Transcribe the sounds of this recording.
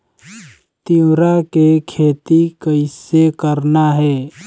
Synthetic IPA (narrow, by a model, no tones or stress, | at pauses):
t̪iwɾakekʰeːt̪ikəɪsekəɾnaɦɛː